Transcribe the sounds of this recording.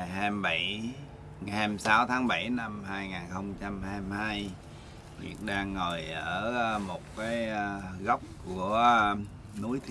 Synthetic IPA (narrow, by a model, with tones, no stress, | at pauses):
jɦɛ˧mɓa˧˩j | ŋa˨˩ɛ˧msaː˨˦wt̪ʰaː˨˦ŋɓa˧˩jna˧mhaː˧jŋaː˨˩nxə˧wŋ͡mt͡ɕa˧mhaː˧mhaː˧j | vḭ˨˩ək̚ɗaː˧ŋːəː˨˩jʔəː˧˩˧mo˨˩t̚kaː˨˦jɣə˦˥wk͡p̚ku˧˩ə | nu˨˦əjt̪ʰ